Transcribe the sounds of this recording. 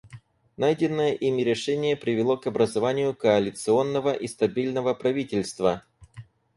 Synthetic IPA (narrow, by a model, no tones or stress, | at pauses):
najdʲɪnːəjəʔimʲɪɾʲɪʂɛnʲɪjəpɾʲɪvʲɪlˠo̞kɐbɾəzɐvanʲɪjʊkəɐlʲɪt̪sɨo̞nːəvəʔist̪ɐbʲilʲnəvəpɾɐvʲitʲɪlʲst̪və